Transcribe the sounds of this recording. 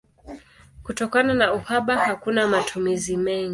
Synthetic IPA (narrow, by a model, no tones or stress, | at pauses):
kutɔkananauhaɓahakunamatʰumizimɛŋɡi